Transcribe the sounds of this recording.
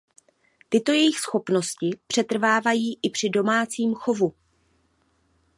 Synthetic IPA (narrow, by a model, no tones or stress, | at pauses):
t̪ɪt̪o̞jɛjɪxsxo̞pno̞scɪpr̝̥ɛt̪r̩vaːvajiːʔɪpr̝̥ɪdo̞maːt͡siːmxo̞vu